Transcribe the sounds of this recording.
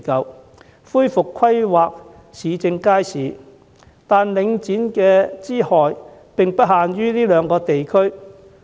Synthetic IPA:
kɐ˧w | fuː˥jfʊ˨kʰːɐ˥jwaː˨k̚ | siː˨˧t͡sɪ˧ŋkaː˥jsiː˨˥ | t̪aː˨nlɪ˨˧ŋt͡siː˨˥nkɛː˧t͡siː˥hɔː˨jpɪ˨ŋpɐ˥t̚haː˨nɥyː˥liː˥lœː˨˧ŋkɔː˧t̪e˨jkʰɵ˥ɥ

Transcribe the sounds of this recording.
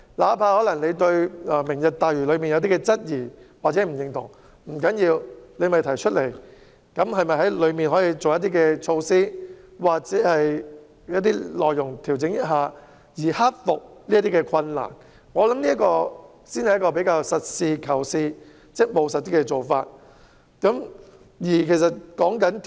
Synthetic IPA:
laː˨˦pʰaː˧hɔː˨˥lɐ˨˩ŋne˨˧jt̪ɵ˧ɥaː˧mɪ˨˩ŋjɐ˨t̚t̪aː˨jyː˨˩lɵ˨˧ɥmiː˨njɐ˨˧wt̪i˥kɛ˧t͡sɐ˥t̚jiː˨˩waː˨˩t͡sɛː˨˥m̩˨˩jɪ˧ŋt̪ʊ̰˨˩ŋ | m̩˨˩kɐ˨˥njiː˧wle˨˧jmɐ˨˩jt̪ʰɐ˨˩jt͡ʃʰɵ˥t̚le˨˩j | kɐ˨˥mɦɐ˨jmɐ˨jɦɐ˨˥jlɵ˨˧ɥmiː˨nɦɔː˨˥jiː˧t͡so˨wjɐ˥t̪̬iː˥kɛː˧t͡ʃʰo˧wsiː˥ | waː˨˩k̚t͡sɛː˨˦˥hɐ˨j | jɐ˥t̚t̪iː˥lɔː˨jːʊ˨˩ŋt̪ʰi˨˩wt͡sɪ˨˥ŋjɐ˥t̚ɦaː˨˧ | jiː˨˩ha˥t̚fʊ˨k̚liː˥t̪iː˥kɛ˧kʷʰɐ˧nla̰ː˨˩n | ŋɔː˨˧lɐ˨˦mniː˥ɐ˥tkɔː˧ | siː˥nhɐ˨jɐ˥kːɔː˧p̬e˨˥jkaː˧wsɐ˨t̚siː˧kʰɐ˨˩wsiː˧ | t͡sɛ˥mo˨˧wsɐ˨t̚t̪iː˥kɛ˧t͡so˨wfa̰ː˧t̚ | kɐ˨˦˥m | jiː˨˩kʰe˨˩js̬ɐ˨t̚kɔː˨˥ŋkɐ˨˥n

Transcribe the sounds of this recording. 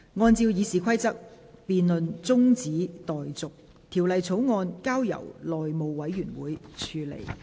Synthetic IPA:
ŋɔː˧nt͡siː˧wjiː˨˧siː˨kʰɐ˥jt͡sɐ˥k̚ | piː˧nlɵ˨nt͡sʊ˥ŋt͡siː˨˥t̪ɔː˨˩jt͡sʊ˨k̚ | t̪ʰi˨˩wlɐ˨jt͡sʰo˨˥wŋɔː˧nkaː˥wjɐ̰˨˩wlɔː˨jmo˨˧wwɐ˨˥jːyː˨˩nwuː˨˦jt͡ʃʰyː˨˧lḛ˨˩j

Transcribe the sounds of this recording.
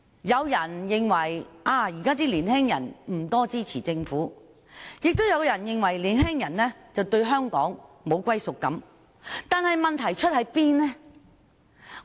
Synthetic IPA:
jɐ˨˧wjɐ˨˩njɪ˨ŋwɐ˨˩jʔaː˧˩jiː˨˩kaː˥t̪iː˥liː˨˩nhɛː˥ŋjɐ˨˩nm̩˨˩t̪ɔː˥t͡siː˥t͡sʰiː˨˩t͡sɪ˧ŋfuː˨˥ | jɪ˨k̚t̪o˥wjɐ˨˧wjɐ˨˩njɪ˨ŋwɐ˨˩jliː˨˩nɦɛː˥ŋjɐ˨˩nlɛː˥t͡sɐ˨wt̪ɵ˧ɥɦœː˥ŋkɔ̰ː˨˥ŋmo˨˧wkʷɐ˥jsʊ˨kːɐ˨˥m | t̪aː˨nhɐ˨jmɐ˨nt̪ʰɐ˨˩jt͡ʃʰɵ˥t̚hɐ˨˥jpiː˥nlɛ˥

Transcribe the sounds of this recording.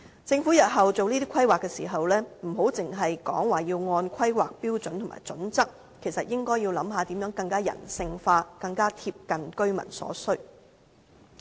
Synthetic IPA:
t͡sɪ˧ŋfuː˨˥jɐ˨t̚ɦɐ˨wt͡so˨wniː˥t̪i˥kʰɐ˥jwaː˨kːɛː˧sḭː˨˩ɦɐ˨wlɛː˥m̩˨˩ɦo˨˥wt͡sɪ˨ŋɦɐ˨jkɔ̰ː˨˥ŋwaː˨˩jiː˧wŋɔː˧nkʰɐ˥jwaː˨k̚piː˥wt͡sɵ˨˥nt̪ʰʊ˨˩ma̰ː˨˩jt͡sɵ˨˥nt͡sɐ˥k̚ | kʰe˨˩jsɐ˨t̚jɪ˥ŋkɔː˥jiː˧wlɐ˨˥mɦaː˧t̪i˨˥mjœː˨˥ŋkɐ˧ŋkaː˥jɐ̰˨˩nsɪ˧ŋfaː˧kɐ˧ŋkaː˥t̪ʰiː˧p̚kɐ˨nkɵ˥ɥmɐ̰˨˩nsɔ̰ː˨˥sɵ˥

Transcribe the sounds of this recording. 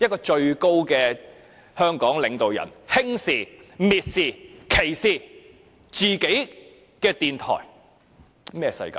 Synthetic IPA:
jɐ˥t̚kɔː˧t͡ʃɵ˧ɥko˥wkɛː˧ | hœː˥ŋkɔː˨˥ŋlɪ˨˧ŋt̪o˨wjɐ̰˨˩nhɪ˥ŋsiː˨miː˨t̚siː˨kʰe˨˩jsiː˨ | t͡siː˨ke˨˥j | kɛː˧t̪iː˨nt̪ʰɔ̰ː˨˩j | mɛː˥sɐ̰˧jka̰ː˧

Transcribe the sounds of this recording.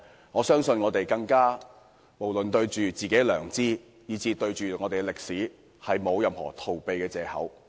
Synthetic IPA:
ŋɔː˨˧sœː˥ŋsɵ˧nŋɔː˨˧t̪e˨jkɐ˧ŋkaː˥ | mo˨˩wlɵ˨nt̪ɵ˧ɥt͡ʃyː˨t͡siː˨ke˨˥jlœː˨˩ŋt͡siː˥ | jiː˨˧t͡siː˧t̪ɵ˧ɥt͡ʃyː˨ŋɔː˨˧t̪e˨ɛ˧lɪ˨k̚siː˨˥ | hɐ˨jmo˨˧wjɐ˨˧mhɔ̰ː˨˩t̪ʰo˨wpe˨˧jkɛː˧t͡sɛː˨˧hɐ̰˨˥w

